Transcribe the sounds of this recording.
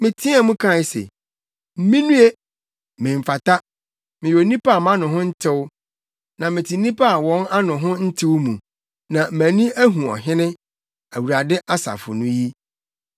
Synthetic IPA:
mɪ̃˨tʰi˦a˨mũ˦kʰã˦˨˦sḛ˨ | m̩˦mĩ˦nũ˦e˦ | mɪ̃˨ɱ̩˨fa˨ta˦ | mɪ̃˨jo˨nĩ˦pa˦a˨mã˦nʊ̃˨ɦʊ̃˦n̩˦tʰɪ˦wʊ˦ | nã˨mɪ̃˨tʰi˨nĩ˦pʰa˦a˨wɔ̃˦ŋa˦nʊ̃˨ɦʊ̃˦n̩˦tʰɪ˦wmũ˨ | nã˨m̩˨mæ̃˨nĩ˦æ˦ɦũ˨ɔ̰˨ɦɪ̃˦nɪ̃˦ | æ˨wu˨ɾa˨dɪ˦ʔa˦sa̰˨fʊ̰˨nʊ̃˦ji˦

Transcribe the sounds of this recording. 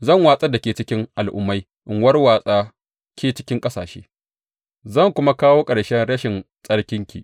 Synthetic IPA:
zɐ˦˨ŋwaː˦sʼɐ˦da˨kʲeː˨t͡ʃɪ˦kʲɪ˦ŋʔa˨lʔʊ̰˦mːa˦j | ʔɪ˨ŋwɐ˦rwaː˦sʼaː˦ | kʲʰeː˨t͡ʃɪ˦kʲɪ˦ŋkʼɐ˦saː˨ʃḛː˦ | zɐ˦˨ŋkʷʊ˦ma˦kaː˦woː˦kʼɐ˨ɽʃɛ˦nɽɐ˦ʃɪ˨nsʼɐ˦ɽkʲɪ˦ŋkʲḭ˨ʔ

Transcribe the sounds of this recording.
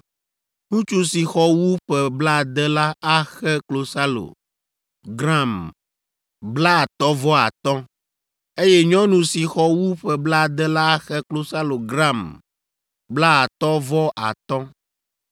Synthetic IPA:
nũ˦t͡ʃu˦si˨xɔ˦wu˦ɸɛ˨bla˦˨d̪ɛ˦la˦a˦xɛ˦klo˨sa˦lo̰˨ | ɡɾã˦˨m | bla˦˨t̪ɔ˦vɔ˦a̰˨t̪ɔ̃˦ | e˦jɛ˦ɲɔ̃˦nũ˨si˨xɔ˦wu˦ɸɛ˨bla˦˨d̪ɛ˦la˦a˦xɛ˦klo˦sa˦lo˨ɡɾa˦˨m | bla˦a˨t̪ɔ˦vɔ˦ʔa̰˨t̪ɔ̃˦

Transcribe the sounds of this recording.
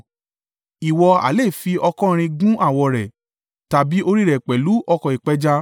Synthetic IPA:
i˨wɔ˧a̰˨le˦˨fi˧ɔ˧kɔ̃˦˧ɾ̃ĩ˧ɡũ˦ʔa˦˨wɔ˨ɾɛ˨ | ta˨bi˨˦o˧ɾi˦ɾɛ˨k͡pɛ˨lu˨˦ʔɔ˧kɔ̃˨i˨k͡pɛ˨˦d͡ʒa˧

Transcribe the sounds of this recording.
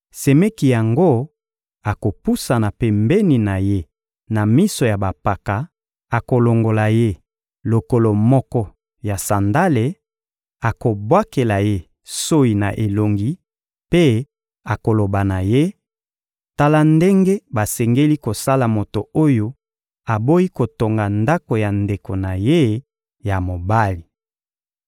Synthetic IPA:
se˨me˦ki˨ja˨ŋɡo˦ | a˨ko˨pu˦sa˨na˨pe˨mbe˦ni˨na˨je˦ | na˨mi˦so˨ja˨ba˨pa˨ka˨ | a˨ko˨lo˨ŋɡo˨la˨je˦ | lo˨ko˨lo˨mɔ˦kɔ˦ | ja˨sa˨nda˦le˨ | a˨ko˨bwa˦ke˨la˨je˦ | so˦i˨na˨ʔe˨lo˨ŋɡi˦ | pe˦ | a˨ko˨lo˨ba˨na˨je˦ | ta˦la˦nde˦ŋɡe˦ba˨sɛ˨ŋɡe˦li˦ko˨sa˦la˨mo˨to˨o˦jo˦ | a˨bo˦ji˦ko˨to˨ŋɡa˨nda˦ko˨ja˨nde˨ko˨na˨je˦ | ja˨mo˨ba˦li˨

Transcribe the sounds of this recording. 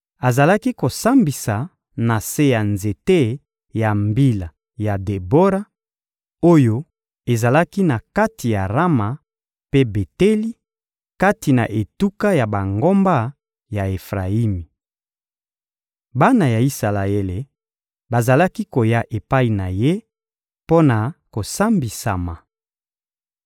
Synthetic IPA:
a˨za˨la˦ki˦ko˨sa˦mbi˨sa˨ | na˨se˦ja˨nze˨te˦ | ja˨mbi˦la˨ | ja˨de˨bo˦ɾa˦ | o˦jo˦ | e˨za˨la˦ki˦na˨ka˦ti˨ja˨ʁa˦ma˨ | pe˦be˨te˦li˦ | ka˦ti˨na̰˨ʔe˨tu˦ka˦ja˨ba˨ŋɡo˦mba˦ | ja˨e˨fʁa˨i˦mi˨ | ba˦na˨ja˨i˦sa˨la˨e˦le˨ | ba˨za˨la˦ki˦ko˨ja˦ʔe˨pa˦i˨na˨je˦ | po˦na˨ko˨sa˦mbi˨sa˨ma˨

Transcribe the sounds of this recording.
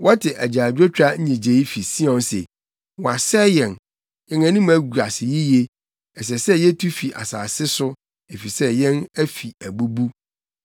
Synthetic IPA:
wɔ˦tʰɪ˨ʔæ˨d͡ʑaː˨dᶣo˦t͡ɕᶣɾa˦ɲ̩˦ɲĩ˨d͡ʑe˨˦i˦fi˨si˦ɔ̃˨nsḛ˨ | wɔ̃˨a˨sɛ˦jɛ̃˨n | ɛ̃˨ŋã˨nĩ˦m̃˦æ˦ɡu˨ɾa˨sɪ˨ji˦je˦ | ɛ˨s̬ɛ˨sɛ˦jɛ˦tʰu˦fi˨ʔa̰˨sa̰ː˨sɪ˦sʊ˦ | e˨fi˨sɛ˦jɛ̃˦næ˦fi˨æ˨bu˦bu˦

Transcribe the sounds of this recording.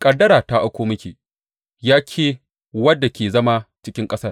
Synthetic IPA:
kʼɐ˨dɐ˦ɾaː˨ta˦ʔa˦kʷoː˦mɐ˦kʲiː˨ | jaː˦kʲʰeː˦ | wɐ˦dːa˨kʲeː˨zɐ˦ma˦t͡ʃɪ˦kʲɪ˦ŋkʼɐ˦sɐ˦r

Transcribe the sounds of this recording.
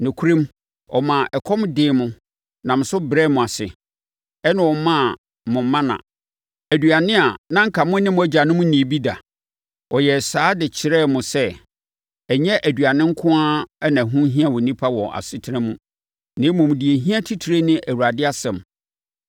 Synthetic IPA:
nɪ̃˨kʰu˦ɾĩ˦m | ɔ̰˨mã˨ʔɛ˨kʰɔ˦m˦dɪː˨˦mʊ̃˦ | nã˨m̩˨sʊ˦bɾɛ˦mʊ̃˨a˨sɪ̰˨ | ɛ˦nã˨wɔ˨˦mã˦˨ | mʊ̃˨m˦mã˦nã̰˨ | æ˨dɥa˨nɪ̃˦a˨nã˦ŋ̩˦kʰa˨mʊ̃˦nɪ̃˦mʊ̃˦æ˦d͡ʑa˨nʊ̃˦mʊ̃˦nĩ˨bi˦da̰˨ | ɔ˨jɛ˨saː˦dɪ˨t͡ɕʰɪ˨ɾɛ˦˨mʊ̃˨sɛ˦ | ɛ˨ɲɛ˦ʔæ˨dɥa˨nɪ̃˦ŋ̩˦kʰʊ̃˦a˦ɛ˦nã˨ɦũ˦ɦĩ˦ã˦wɔ˨nĩ˦pʰa˦wɔ˨ʔa̰˨sɪ˦tʰɪ˦ɪ̃˦mũ˦ | nɪ̃˦mʊ̃˨m˨di˨e˨ɦĩ˦a˦tʰi˦tʰi˨ɾe˦nɪ̃˦ʔæ˨wu˨ɾa˨dɪ˦a˦sɛ̃˨m

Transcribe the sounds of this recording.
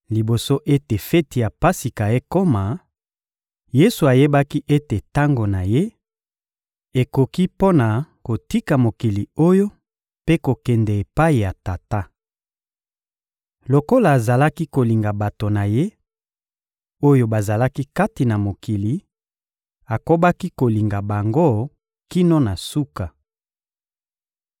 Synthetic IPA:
li˨bo˨so˦ʔe˦te˨fɛ˦ti˨a˨pa˦si˨ka˨je˦ko˦ma˨ | je˦su˨a˨je˦ba˦ki˦ʔe˦te˨ta˦ŋɡo˨na˨je˦ | e˨ko˨ki˦po˦na˨ | ko˨ti˦ka˨mo˨ki˨li˨o˦jo˦ | pe˦ko˨kɛ˨ndɛ˨e˨pa˦i˨ja˨ta˨ta˦ | lo˨ko˦laː˨za˨la˦ki˦ko˨li˨ŋɡa˨ba˨to˨na˨je˦ | o˦jo˦ba˨za˨la˦ki˦ka˦ti˨na˨mo˨ki˨li˨ | a˨ko˦ba˦ki˦ko˨li˨ŋɡa˨ba˨ŋɡo˦ | ki˦no˦na˨su˦ka˨

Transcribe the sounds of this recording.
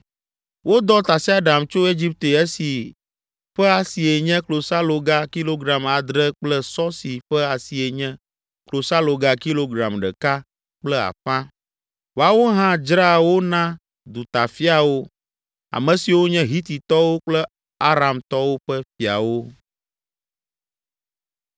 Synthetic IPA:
wo˦d̪ɔ˦t̪a˨si˦a˦ɖa˨mt͡ʃo˦e˦d͡ʑi˦p̚t̪e˨ɛ˦si˨ | ɸɛ˦a˨si˨e˨ɲɛ̃˦klo˨sa˦lo˨ɡa˦ki˦lo˦ɡɾa˨ma˨d̪ɾɛ˦k͡plɛ˦sɔ˦si˨ɸɛ˦a˨si˨e˨ɲɛ̃˦ | klo˨sa˦lo˨ɡa˨ki˦lo˦ɡɾã˨mɖɛ̰˨ka˦ | k͡plɛ˦a̰˨ɸã˦ | wo˨a˨wo˦ɦã˦d͡ʒɾa˦˨wo˦nã˦ | d̪u˨t̪a˨fi˦a˨wo˦ | a̰˨mɛ̃˨si˨wo˦ɲɛ̃˦ɦi˦t̪i˨t̪ɔ˦wo˦k͡plɛ˦ | a˦ɾa˨mt̪ɔ˦wo˦ɸɛ˦fi˨a̰˨wo˦

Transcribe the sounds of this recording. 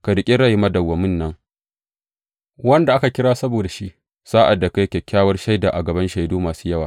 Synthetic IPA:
ka˨dɪ˨kʲʼɪ˦ɽɐ˦jmɐ˦dɐ˨wːɐ˨mɪ˦nːɐ˦ŋ | wɐ˦nda˨ʔa˦ka˨kʲɪ˦ɽaː˦sɐ˦boː˨da˨ʃi˦ʔ | saː˦ʔa˨dːa˨ka˨ɐ˦kʲɛ˨kʲːaː˦wɐ˦rʃa˦jdaː˨ʔa˨ɡɐ˨bɐ˦nʃa˨jdoː˦maː˨su̥ː˦jɐ˦waː˨

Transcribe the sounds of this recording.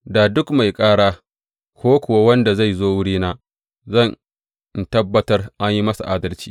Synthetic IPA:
da˨dʊ˦kma˨jkʼaː˦ɽaː˦ | kʷoː˦kʷʊ˨wa˦wɐ˦nda˨za˦˨jzoː˦wʊ˦ɽiː˦naː˦ | zɐ˦˨n | n˨tɐ˦bːɐ˦tɐ˦rʔa˦ɲji˦mɐ˦sa̰˨ʔaː˦dɐ˦lt͡ʃi̥̰ː˦

